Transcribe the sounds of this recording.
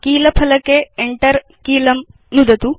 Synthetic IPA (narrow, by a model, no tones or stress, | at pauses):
kiːlɐpʰɐlɐkeeɳʈɐɾ | kiːlɐm | nud̪ɐt̪u